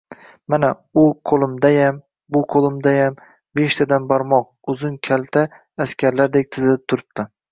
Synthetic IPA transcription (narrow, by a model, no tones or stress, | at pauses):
mana | ʊqʰolˠɪmd̪ajam | bʊqʰolˠɪmd̪ajam | be̞ʃt̪ʰad̪ambaɾmɒq̚ʊzʊnkʲʰalt̪ʰaː | skʲʰaɾlaɾd̪ek̚ʲt̪ʰɪzɪlɪp̚t̪ʰʊɾɪp̚t̪ʰɪ